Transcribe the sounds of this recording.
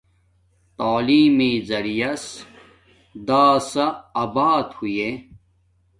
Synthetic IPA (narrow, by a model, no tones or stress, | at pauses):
t̪aːliːmiːzɐɾijɐs | d̪aːsɐɐbaːt̪huje